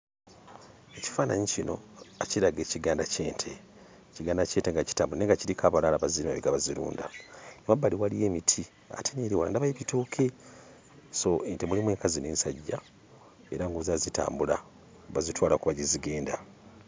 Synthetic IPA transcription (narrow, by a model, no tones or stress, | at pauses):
e̞ci̥faːna̰ɲicinoaciɾaɡe̞ːciɡaːndace̞ːntʰe | ciɡaːndace̞ːnteŋɡaci̥taːmbulaneŋɡaciɾikʰaβalaːlaβaziimaβeɡaβaziɾṵːnda̰nemabaliwalije̞ːmitʰi | a̰tʰeɲeliwala̰ndaβajeβitoːkʰe | so̞entemulimwe̞ːŋkazine̞̰ːnsaɟːa | e̞ɾaŋɡozazita̰ːmbula | βazitwaːlakuβaɟiziɡe̞ːnda